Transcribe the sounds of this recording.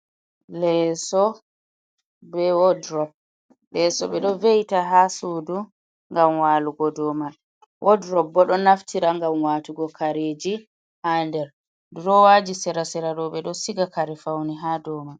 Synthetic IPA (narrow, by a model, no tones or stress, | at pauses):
lɛsɔ | bɛwɔdɾɔp̚ | lɛsɔɓɛɗɔvejtaɦasuːdu | ŋɡamwaːluɡɔdɔma | wʔɔdɾɔb̚ːɔɗɔnaftʰiɾaŋɡamwaːtuɡɔkʰaɾeːd͡ʒi | handɛɾ | dɾɔwaːd͡ʒisɛɾasɛɾaɗɔɓɛɗɔsiɡakaɾɛfawniɦadɔːma